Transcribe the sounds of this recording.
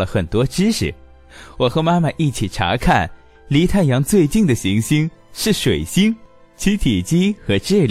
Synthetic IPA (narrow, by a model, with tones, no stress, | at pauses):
lə˩xə˨˩nt̪wɔ˥ʈ͡ʂɻ̩˥ʂɻ̩˨˩˦ | wɔ˨˩xɤ˧˥ma˥ma˨ʔi˥˩t͡ɕʰi˨˩ʈ͡ʂʰa̰˧˥kʰa˥˩n | li˧˥t̪ʰa˥˩njɑ˧˥ŋt͡swe˥˧ɪt͡ɕi˥˩ŋd̪ə˩ɕi˧˥ŋɕi˥ŋʂɻ̩˥˩ʂwe˨˩ɪɕi˥ŋ | t͡ɕʰi˧˥t̪ʰi˨˩t͡ɕi˥xɤ˧˥ʈ͡ʂ̩˥˩l